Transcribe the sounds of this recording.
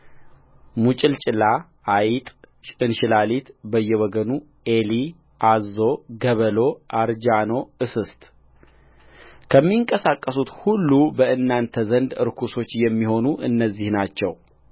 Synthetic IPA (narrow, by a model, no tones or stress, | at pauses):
mut͡ʃʼɪlt͡ʃʼɪla | ajit̪ʼ | ɨnʃɪlalit̪bəjːɛwɔɡənu | eli | ʔazːo̞ɡəβəlo̞ʔaɾd͡ʒano̞ɨsɨst̪ʼ | kʰəmːiŋkʼəsakʼːəsut̪hulːubəɨnːant̪ʰəzənd̪ɨɾkʰuso̞t͡ʃːjɛmːiho̞nuʔɨnːəzːihnat͡ʃːɛw